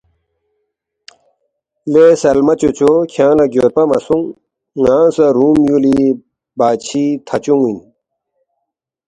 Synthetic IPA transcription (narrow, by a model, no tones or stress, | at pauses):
leːsɐlmɐt͡ɕot͡ɕokʰjãːnɐɡjoːɾpɐmɐ̰suŋː | ãːsɐɾuːmjuli | baːt͡ɕʰit̪ʰɐt͡ɕuŋin